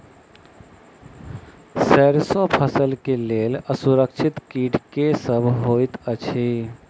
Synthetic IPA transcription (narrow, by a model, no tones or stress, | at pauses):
sɛːɾsopʰəsəlkeleːləsuɾəkʃʰɪt̪kiːʈʰkesəbʱɦoːit̪ət͡ʃʰi